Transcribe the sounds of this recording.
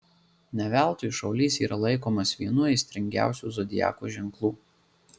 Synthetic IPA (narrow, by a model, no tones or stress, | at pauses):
nʲɛʋʲæˑlˠt̪oːjʊʃɐʊlʲiːsiːɾʔɐlˠɐɪkoːmɐsʋʲiɛnuɛsʲt̪ʲɾʲɛŋʲɡʲæ̰ˑʊsʲuːzɔd̪ʲɪjæ̰ːko̰ʒʲɛŋklˠuː